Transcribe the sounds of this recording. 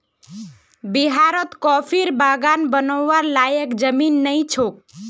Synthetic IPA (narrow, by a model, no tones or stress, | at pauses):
biɦaɾət̪kɔpʰiɾbaɡanbənɔːaɾlajəkd͡ʒəminːəit͡ʃʰok̚